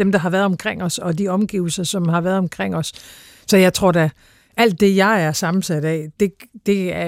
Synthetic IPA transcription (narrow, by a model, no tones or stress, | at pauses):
emd̥ɑ̈ɦɑ̈ʋæːɐðˠɒ̽mkʰʁeŋ̰ɒ̽sɒ̽diɒ̽mɡ̥iːʊl̩sɐsɒ̽mɦɑ̈ʋæːɐðˠɒ̽mkʰʁeŋ̰ɒ̽s | sɒ̽jɑ̈ɪt͡sʰʁo̝ɐ̰d̥æ | ʔæl̰d̥ːe̝jɑ̈ɪæɐsɑ̈mn̩sæd̥æd̥e̝d̥e̝æɐ